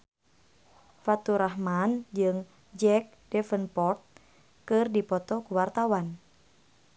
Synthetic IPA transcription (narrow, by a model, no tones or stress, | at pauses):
fat̪uɾaɦmand͡ʒɨŋ | d͡ʒɛk̚dɛfənpɔrt̪̚ | kɨrdipɔt̪ɔkuwart̪awan